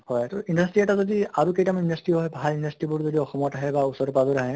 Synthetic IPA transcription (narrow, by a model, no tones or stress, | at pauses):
hɔjtɔindastɹiɛtazodiaɹukejtamindastɹiɦɔjbʱalindastɹibʊɹzodiɔxɔmɔtaɦɛbausɔɹpabɔɾaɦɛ